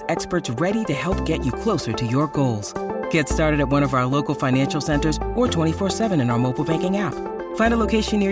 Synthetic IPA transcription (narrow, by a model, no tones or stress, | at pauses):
ɛkspə˞tsɹɛɾiɾɨhɛlˠp̚ɡ̥ɛt͡ʃɨkʰl̥oʊsə˞ɾɨjə˞ɡoʊlˠz̥ɡ̥ɛtstɑɹɾɨɾɨt̚wʌ̃ɾ̃ʌvaʊə˞loʊkl̩ˠfãɪ̃næ̃nʃl̩ˠsɛ̃ntə˞zə˞tʰw̥ɛ̃ɾ̃ifɔɹsɛvɨ̃ñɨ̃naə˞moʊpl̩ˠbæ̃ŋkɪ̃ŋæp̚ | fãɪ̃ndəloʊkʰeɪʃɨ̃nːɪ